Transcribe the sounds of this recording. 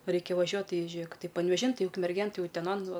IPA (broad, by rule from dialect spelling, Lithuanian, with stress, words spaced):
ˈrɐɪkʲɛ ʋɐˈʒʲuɔt tʲɪ ˈʒʲeːk pɐnʲʋʲɛˈʒʲɪn ˈtɐɪ ʊkmʲɛrʲˈɡʲeːn ˈtɐɪ ʊtʲɛˈnoːn ˈʋɐ